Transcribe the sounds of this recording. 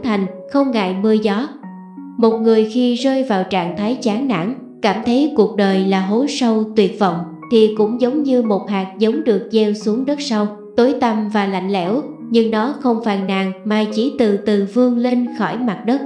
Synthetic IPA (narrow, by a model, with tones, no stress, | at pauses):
t̪ʰa˨˩jŋ̟xə˧wŋ͡mɣa̰ː˧˨jmɨ˧əzɔ˨˦ | mo˨˩t̚ŋɨ˨˩əjxi˧zəː˧jvaː˨˩wt͡ɕa̰ː˧˨ŋt̪ʰaː˨˦jt͡ɕaː˨˦ŋna̰˧˥ŋ | kaː˧˩mt̪ʰə˨˦jku˨˩ək̚ɗəː˨˩jlaː˨˩ɦo˨˦sə˧wt̪wi˨˩ət̚vɔ̰˧˨wŋ͡m | t̪ʰi˨˩kʊ̰˧˥ŋ͡mzə˨˦wŋ͡mɲɨ˧mo˨˩t̚haː˨˩k̚zə˨˦wŋ͡mɗɨ˨˩ək̚zɛ˧wsu˨˦əŋɗə˦˥t̚sa˧w | t̪o˨˦jt̪ə˧mvaː˨˩la̰˧˨jŋ̟lɛ̰˧˥w | ɲɨ˧ŋɗɔ˨˦xə˧wŋ͡mfaː˨˩jnːaː˨˩ŋmaː˨˩t͡ɕi˧˩t̪ɨ˨˩t̪ɨ˨˩vɨ˧əŋle˧nxɔ˧˩jma˨˩t̚ɗə˦˥t̚